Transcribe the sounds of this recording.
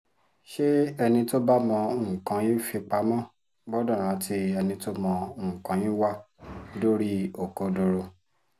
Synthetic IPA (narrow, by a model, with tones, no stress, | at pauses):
ʃe˦ɛ˧nĩ˧to˦ba˦mɔ̃˧õ˦˨kã˨˦jĩ˦fi˧k͡pa˧˦mɔ̃˦ | bɔ˦dɔ̃˦˨ɾ̃ã˨˦ti˧˦ɛ˧nĩ˧to˦mɔ̃˧õ˦˨kã˨˦jĩ˦wa˦˨ | do˦ɾi˦o˨ko˨˧do˧ɾo˧